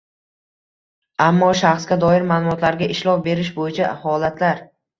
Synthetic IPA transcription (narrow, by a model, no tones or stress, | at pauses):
amːɒʃaχsɡʲad̪ɒɪɾmalˠʊmɒt̪laɾɡʲaʔɪʃlɒwbe̞ɾɪʃ̬bojɪt͡ʃʰahɒlat̪laɾ